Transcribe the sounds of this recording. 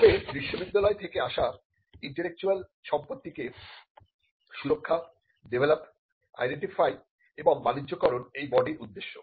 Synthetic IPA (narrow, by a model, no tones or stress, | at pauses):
bebɾiʃːobid̪ːalɔet̪ʰekeaʃa | iɳʈelek̚t͡ɕualʃɔmpot̪ːike | ʃuɾokʰːa | ɖebʱelap | a̰jɖeɳʈifaj | eboŋbanidʑokɔɾonejbɔɖiɾud̪ːeʃːo̰